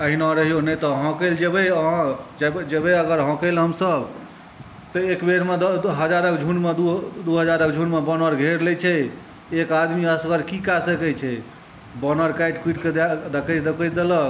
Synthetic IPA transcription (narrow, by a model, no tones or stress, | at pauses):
əɦinɔ̃ɾəɦijonɛt̪ɔɦɔ̃keld͡ʒebəɦd͡ʒbd͡ʒebeəɡəɾɦɔ̃kəlɦəmsəb | t̪ɔekbeɾmed̪ɦəd͡ʒaɾəkd͡ʒʱunmed̪ud̪uɦəd͡ʒaɾəkd͡ʒʱunmebɔnəɾɡʱeɽlɛt͡ʃʰɛ | ekad̪miəskəɾkikasəkɛt͡ʃʰɛ | bɔnəɾkaiʈkiʈked̪d̪əkət͡ʃd̪ekɛt͡ʃʰd̪elɔ